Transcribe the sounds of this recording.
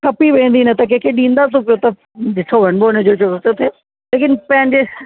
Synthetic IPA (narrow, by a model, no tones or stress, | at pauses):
kɐpiʋẽn̆d̪inɐt̪ɐk̬ẽːkʰeːɗĩːnd̪at̪ʰũpijot̪ɐ | ɗɪʈʰoʋʱɐnbonəd͡ʑot͡ɕoːst̪ot̪ʰeː | leːkɪnpɐ̃ɦɪ̃ɲd͡ʑe